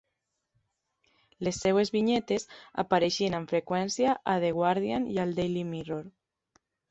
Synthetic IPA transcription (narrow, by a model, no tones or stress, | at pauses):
lesːewezβiɲet̪eza̰paɾeʃieneɱfɾekwɛnsjaʔaðeɣwaɾðjanjald̪ejlimiroɾ